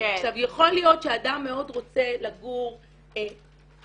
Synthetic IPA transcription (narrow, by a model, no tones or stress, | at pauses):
aʃavjaχo̞lijo̞tʃeadamːeo̞dʁot͡se̞laɡuʁ | e